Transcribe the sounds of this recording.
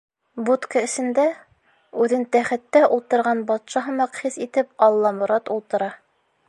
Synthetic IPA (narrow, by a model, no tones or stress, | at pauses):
but̪kəɘ̆sɘ̆nd̪æ | ʉðɘnt̪æχɘ̆t̪ːæʔulˠt̪ɤ̆ɾʁɑnbɒt̪ʃɑɦɤmɑqχisit̪ɘp̚ɒlˠːɑmŏɾɑt̪ulˠt̪ɤ̆ɾɑ